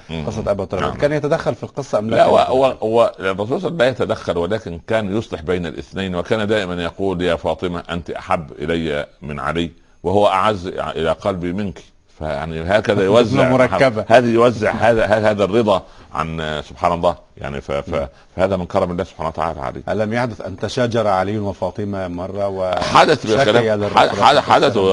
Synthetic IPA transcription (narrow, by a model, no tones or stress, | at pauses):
ʔqɑsˤːɑt̪ʔæbæt̪ɑɾkæːnjæt̪æd̪æxːælfilqɨsˤːɑʔæmlææwæwæhwærˤːɑs̬ˤuːlslːæmlæːjæt̪æd̪æxːælwelæːkɪnkæːnjosˤleħbejnæ̰lʔɪ̰θnæjnwekæːnd̪æːʔɪmænjɑquːljæːfɑːt̪ˤɨmæʔænt̪iʔa̰ħabːʔɪ̰læjːæmɪnʕa̰lɪː | wɪhʊwːæʔaʕazːa̰ʔɪlæːqɑlbimɪnki̥ | fæja̰ʕniɦæːkæðæjowæzːʕmʊɾˤɑkːabahæːðijowæzːɪʕhæːðæhæːhæːðærːɨd̪ˤɑʕa̰nsob̥ħaːnɑlˤːɑː | ja̰ʕnifæfæ | fæhæːðæmɪnkɑɾˤɑmɪlːæːhsʊb̥ħaːnwæt̪aʕa̰ːlæ̰ʕa̰lḭːʔlæmjaħd̪ʊθʔa̰nt̪æʃaːd͡ʒɑɾˤʕalɪjːʊnwɪfɑːt̪ˤɨmamɑrˤːɑwɪħad̪æθbɪkælæːalrˤaad̪ħad̪æθ